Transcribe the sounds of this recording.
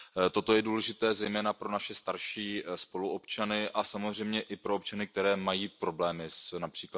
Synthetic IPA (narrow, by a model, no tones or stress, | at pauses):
t̪o̞t̪ojɛduːlɛʒɪt̪ɛːzɛjmɛːnapɾonaʃɛst̪aɾʃiːspo̞luʔo̞pt͡ʃanɪʔasamozr̝ɛjmɲɛʔɪpɾo̞op̚t͡ʃanɪk̚t̪ɛɾɛːmajiːpɾo̞blɛːmɪsnapr̥iːkla